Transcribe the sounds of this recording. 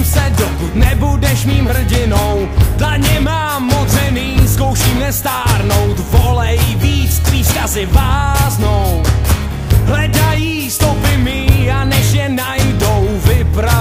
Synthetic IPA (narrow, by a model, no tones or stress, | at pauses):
msɛdokut̪nɛbudɛʃmiːmɦr̩ɟɪnow | dlaɲɛmaːot͡sɛniːsko̞wʃiːmnɛst̪aːɾno̞wt̪volɛjviːt͡st̪riːskazɪvaːznow | ɦlɛdajiːst̪opɪmɪanɛʃjɛnajdowvɪpɾa